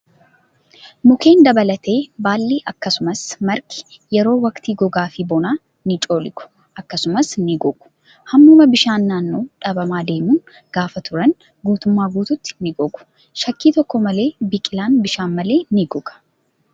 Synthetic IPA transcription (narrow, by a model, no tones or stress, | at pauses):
mʊke̞ːnd̪ɐbɐlɐt̪ʰe̞ːbaːlːiːʔɐkːɐsʊmɐsmɐɾkɪ̥ | jɛɾo̞ːwɐkt̪iːɡɔɡaːfɪbɔnaː | nɪt͡ʃʼo̞ːlɪkʊ̥ | ʔɐkːɐsʊmɐsnɪɡɔɡ̥ʊ̥ | hɐmːuːmɐbɪʃaːnːaːnːo̞ːᶑɐbɐmaːd̪e̞ːmun | ɡ̥aːfɐt̪ʰʊɾɐn | ɡuːt̪ʊmːaːɡuːt̪ʊt̪ːɪ̥nɪɡɔɡʊ̥ | ʃɐkːiːt̪ɔkːɔmɐle̞ːbɪkʼɪlaːnbɪʃaːnmɐle̞ːnɪɡɔɡɐ̥